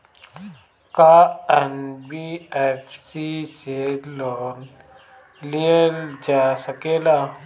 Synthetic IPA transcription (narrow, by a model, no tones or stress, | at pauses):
kaɛnbiːɛpʰsiseloːn | lijəld͡ʒaːsəkeːlaː